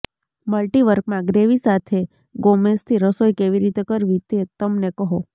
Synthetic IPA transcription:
məlʈiʋəɾkmãɡɾeʋisat̪ʰe | ɡomest̪ʰiɾəsojkeʋiɾit̪ekəɾʋit̪et̪əmnekəɦo

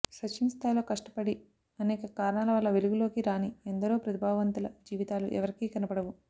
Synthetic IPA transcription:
sɐt͡ʃʰːimst̪aːjlo̞ːkɐʂʈɐ̥pɐɽi | ɐnɛːkɐkaːɾɐɳaːlɐʋɐlːɐʋeluɡulo̞ːkiɾaːniend̪ɐɾoːpɾɐt̪ibʱaːɡʋɐnt̪ulɐd͡ʒiːʋit̪aːlṵʔɛ̰ʋɐɾikiːkɐnɐpɐɽɐʋu

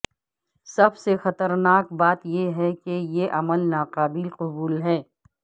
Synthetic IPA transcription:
sɐbsexɐt̪əɾnaːkbaːt̪jeɦɛkejeʔɐməlnaːqaːbɪlqʊbuːlɦɛː

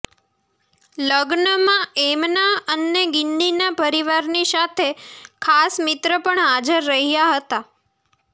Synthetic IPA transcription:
ləɡnəmãemnaənːeɡɪnːinapəɾiʋaɾnisat̪ʰekʰasmɪt̪ɾəpəɳɦad͡ʒəɾːəɦijaɦət̪a

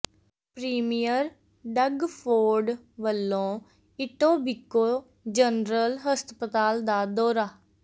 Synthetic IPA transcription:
pɾiːmijəɾ | ɖəɡpʰoːɾɖ | ʋəlːõː | ɪʈõːbɪkːoː | d͡ʒənɾəlɦəst̪pət̪aːld̪aːd̪ɔːɾaː

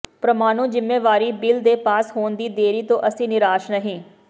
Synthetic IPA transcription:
pɾəmaːnõːd͡ʒɪmːeːʋaːɾiːbɪld̪eːpaːshoːnd̪iːd̪eːɾiːt̪õːʔəsĩːnɪɾaːʃnəɦĩː

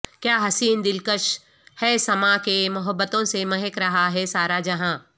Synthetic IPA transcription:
kjaːɦɐsiːnd̪ɪlkəʃ | hɛːsɐmakemʊɦəbːət̪õsemɐɦɛkɾɐɦaɦɛsaːɾad͡ʒɐɦãː

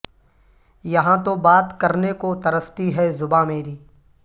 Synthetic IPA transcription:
jɐɦãt̪obaːt̪kɐɾnekot̪ɐɾəst̪iɦɛzʊbameːɾiː

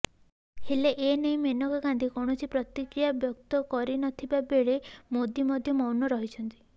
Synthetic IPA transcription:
heleʔenej̃menɔkɔkand̪ikɔɳ̃ɔsʰipɾɔt̪ikɾijabjɔk̚t̪ɔkɔɾinɔt̪ʰibabeɭemod̪imɔd̪ʱjɔmɔwnɔɾɔɦit͡ʃʰɔnt̪i̥

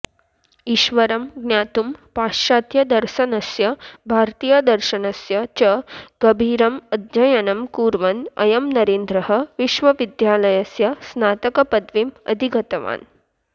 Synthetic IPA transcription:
iːʃʋɐɾɐmɡnjaːt̪umpaːʃaːt̪jɐd̪ɐɾʃɐnɐsjɐbʱaːɾt̪iːjad̪ɐɾʃɐnɐsjɐt͡ʃɐɡ̥ɐbʱiːɾɐmɐd̪d͡ʒɐjɐnɐmkuːɾʋɐnɐ̰jɐmnɐɾeːnd̪ɾɐɦɐʋiʃʋɐʋid̪jaːlɐjɐsjɐsnaːt̪ɐkɐpɐd̪ʋimɐ̰d̪ʱiɡɐt̪ɐʋa̰ːn

